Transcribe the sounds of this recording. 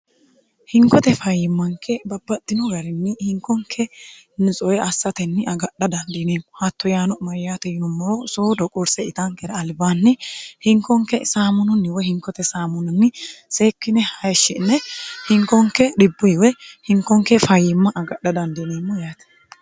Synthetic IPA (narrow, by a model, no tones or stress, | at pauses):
hɪŋkɔt̪ɛfɐjɪmːɐŋkʰɛbɐbːɐd̪̥ːɪnɔɡɐɾɪnːɪhɪŋkːɔŋkʰɛnɪt͡sʼɔɛɐsːɐt̪ɛnːɪʔɐɡɐɗɐd̪ɐnd̪ɪneːmːʊhɐt̪ːɔjaːnɔmɐɾjaːt̪ɛjɪnʊmːɔɾɔsoːd̪ɔkʼɔɾsɛɪt̪aŋkɛɾɐɐlbaːnːɪhɪŋkːɔŋkːɛsaːmʊnʊnːɪwɛhɪŋkːɔt̪ɛsaːmʊnʊnːɪse̞ːkːɪnɛhɐjʃːɪnːɛhɪŋkːɔŋkɛɗɪbːʊwɛhɪŋkːɔŋkɛfɐjːɪmːɐʔɐɡɐɗːɐd̪ɐnd̪ɪneːmːɔjaːt̪